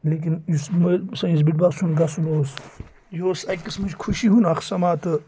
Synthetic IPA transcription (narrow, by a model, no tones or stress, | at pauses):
lek̬inismɐsɐ̃ĩs̬biʈbasunɡɐsuloːs | joːsɐkismɐt͡ʃkʰuʃiɦunɐxsɐmaːt̪ɨ